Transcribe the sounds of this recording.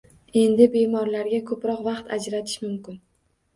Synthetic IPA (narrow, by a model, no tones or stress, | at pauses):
e̞nd̪ɪbe̞mɒɾlaɾɡʲakʰɵpɾɒqvɑqt̪ʰad͡ʒɾat̪ʰɪ̥ʃmʊmkʲɪn